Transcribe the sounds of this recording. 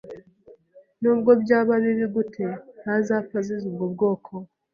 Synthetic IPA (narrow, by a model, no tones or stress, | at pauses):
noːβɡobjaːβaneɾiɡutʰehazafazeziɡɡoβɡo̞ːkʰo